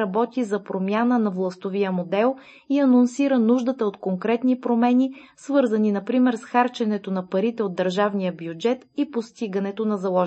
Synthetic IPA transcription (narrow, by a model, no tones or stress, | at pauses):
ɐbɔt̪izɐpɾomʲjanənɐvlˠɐst̪ovijəmod̪ɛlˠ | iɐnonsiɾənuʒd̪ət̪əot̪koŋkɾɛt̪nipɾomɛnisvɤɾzəninɐpɾimɛɾsxaɾt͡ʃɛnɛt̪onɐpɐɾit̪ɛod̪ːəɾʒavnijəbjud͡ʒɛt̪ipost̪iɡənɛt̪onɐzɐlˠɔʒ